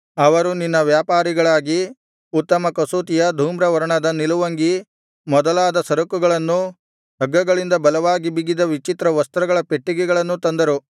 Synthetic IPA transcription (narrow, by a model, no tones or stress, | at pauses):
ɐʋɐɾuninːɐʋjaːpaːɾiɡɐɭaːɡi | ut̪ːɐmɐkɐsuːt̪ijɐd̪ʱuːmɾɐʋɐɾɐɳɐd̪ɐniluʋɐŋɡi | mɔd̪ɐlaːd̪ɐsɐɾɐkuɡɐɭɐnːu | ɦɐɡːɐɡɐɭind̪ɐbɐlɐʋaːɡibiɡid̪ɐʋit͡ʃit̪ɾɐʋɐst̪ɐɾɐɡɐɭɐpeʈːiɡɛɡɐɭɐnːut̪ɐnd̪ɐɾu